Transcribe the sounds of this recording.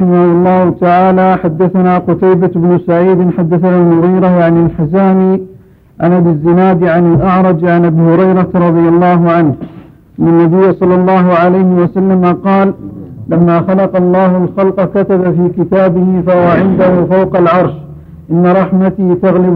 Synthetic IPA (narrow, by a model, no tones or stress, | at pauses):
ɪmahʊlˤːɑːhʊt̪aʕaːlaːħad̪ːaθanaːqʊt̪ajbaɪbnʊsaʕiːd̪ɪnħad̪ːaθanaːlmʊɣiːɾajaʕanɪlħɪzaːmiː | ʕanʔabɪzːɪnaːd̪ʕanɪlʔɑʕɾˤɑd͡ʒʕanʔabiːhʊɾɑjɾˤɑɾˤɑd̪ˤɨjɑlˤːɑːɦʊʕanh | ʔanːanːabɪjːasˤɑlːɑlˤːɑːɦʊʕalajhɪwasalːamaqɑːllamːaːxɑlɑqɑlˤːɑːhʊlxɑlqɑkat̪abafiːkɪt̪aːbɪhɪfahwaʕɪnd̪ahʊfawqɑlʕɑɾˤʃ | ʔɪnːaɾˤɑħmat̪it̪aɣlɪb